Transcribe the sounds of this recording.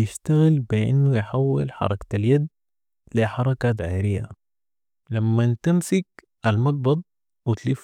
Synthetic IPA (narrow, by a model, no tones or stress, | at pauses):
jɪʃt̪aɣɪlbɪʔɪ̰nːujħawːɪ̰lħɑ̰ɾˤɑk̪aljad̪ | liħɑɾˤɑkat̪ʕaːɾɪjːa̰ | lamːant̪amsɪk̚ | ʔalmɑɡ̚bɑd̪̚ˤ | wɪt̪lif